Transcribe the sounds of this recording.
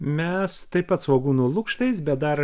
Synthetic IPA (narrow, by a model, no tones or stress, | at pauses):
mʲɛst̪ɐɪppɐt̪sʋoːɡuːnuːlˠʊkʃt̪ɐɪsbʲɛt̪̚d̪ɐɾ